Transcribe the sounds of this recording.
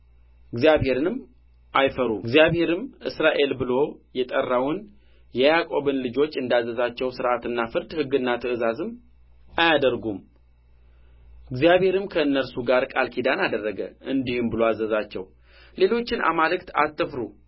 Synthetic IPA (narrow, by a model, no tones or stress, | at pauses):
ɨɡzjaβhe̞ɾɨnɨm | ʔajfəɾuɨɡzijaβhe̞ɾɨmʔɨ̰sɾaʔe̞lbɨlo̞jɛt̪ʼərːawʊn | jɛjakʼo̞bɨnlɨd͡ʒo̞t͡ʃːɨnd̪azːəzat͡ʃːɛwsɨɾʔat̪ɨnːafɨɾd̪hɨɡːɨnːat̪ʰɨɨzazɨm | ajad̪əɾɡum | ɨɡzijaβhe̞ɾɨmkʰəɨnːəɾsuɡaɾkʼalkʰid̪anad̪ərːəɡə̰ʔɨnd̪ihɨmbɨloazːəzat͡ʃːɛw | le̞lo̞t͡ʃːɪna̰malɨkt̪a̰t̪ʰʼːɨfɾu